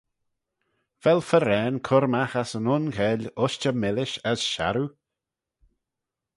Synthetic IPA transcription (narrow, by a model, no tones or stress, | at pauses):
vɛlfəɾɛːnkʰʊɾmaxasənʊnkʰɛːlʲʊʃt͡ʃəmɪlɪʃəsʃa̰ɾu